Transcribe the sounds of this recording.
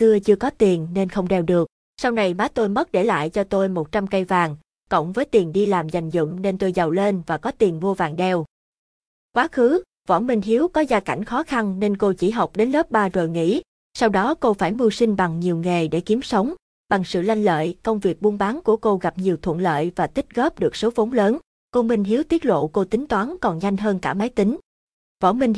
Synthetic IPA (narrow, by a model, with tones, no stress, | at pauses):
tɨ˧ət͡ɕɨ˧əkɔ˨˦t̪i˨˩ənne˧nxə˧wŋ͡mɗɛ˧wɗɨ˨˩ək̚ | sa˧wna˨˩jmaː˨˦t̪o˧jmə˦˥t̚ɗe˧˩la̰ː˧˨jt͡ɕɔ˧t̪o˧jmo˨˩t̚t͡ɕa˧mkə˧jvaː˨˩ŋ | kə̰˧˨wŋ͡mvəː˨˦jt̪i˨˩ənɗi˧laː˨˩mza˨˩jŋ̟zʊ̰˧˨ŋ͡mne˧nt̪o˧jzə˨˩wle˧nvaː˨˩kɔ˨˦t̪i˨˩nvo˧vaː˨˩ŋɗɛ˧w | kwaː˨˦xɨ˨˦ | vɔ̰˧˩nmï˨˩ŋ̟ɦi˨˦əwkɔ˨˦zaː˧ka̰˧˩jŋ̟xɔ˨˦xa˧nne˧nko˧t͡ɕi˧˩ɦa˨˩wk͡p̚ɗe˨˦nləː˦˥p̚ɓaː˧zəː˨˩jŋḭ˧˥ | sa˧wɗɔ˨˦ko˧faː˧˩jmu˧sï˧ŋ̟ɓa˨˩ŋɲi˨˩əwŋa˨˩jɗe˧˩ki˨˦əmsə˨˦wŋ͡m | ɓa˨˩ŋsɨ̰˧˨la˧jŋ̟lə̰ː˧˨jkə˧wŋ͡mvi˨˩ək̚ɓu˧ənɓaː˨˦nku˧˩əko˧ɣa˨˩p̚ɲi˨˩əwt̪ʰwə̰˧˨nlə̰ː˧˨jvaː˨˩t̪ï˦˥t̚ɣɔ˦˥p̚ɗɨ˨˩ək̚so˨˦və˨˦ŋ͡mləː˨˦n | ko˧mï˧˩ŋ̟ɦi˨˦əwt̪i˦˥ət̚lo̰˧˨ko˧t̪ï˨˦ŋ̟t̪waː˨˦nkɔ˨˩nza˧jŋ̟ɦəː˧nkaː˧˩ma˨˦jt̪ï˨˦ŋ̟ | vɔ̰˧˩nmï˧ŋ̟